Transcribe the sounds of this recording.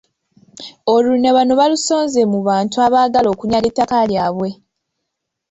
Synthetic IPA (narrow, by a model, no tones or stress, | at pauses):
o̞luneβano̞βaluso̞ːnze̞muβaːntuaβaːɡalo̞ːkuɲaletːakaljaːβwe̞